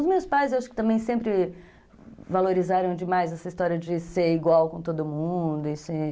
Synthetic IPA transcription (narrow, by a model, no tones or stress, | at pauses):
ʊzmewspajzewaʃʊ̥kɪ̥t̪ɐ̃mbẽj̃sẽmpɾɪ | valoɾizaɾɐ̃w̃d͡ʒɪmajzɛsɐist̪ɔɾiɐd͡ʒɪseɾiɡwawkõt̪od̪ʊmũd̪ʊɪse